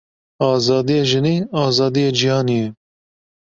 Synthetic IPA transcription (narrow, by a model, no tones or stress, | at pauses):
ɑːzɑːd̪ijeːʒɨniːɑːzɑːd̪ijeːd͡ʒihɑːnijɛ